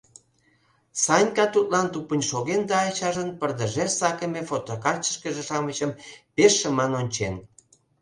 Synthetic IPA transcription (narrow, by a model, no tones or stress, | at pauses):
sɑnʲkɑt̪ut̪lɑnt̪upənʲʃoɣend̪ɑːt͡ɕɑʒənpərd̪əʒersɑkəmefot̪okɑrt͡ɕə̥ʃkəʒeʃɑmət͡ɕəmpeʃːəmɑnonʲt͡ɕen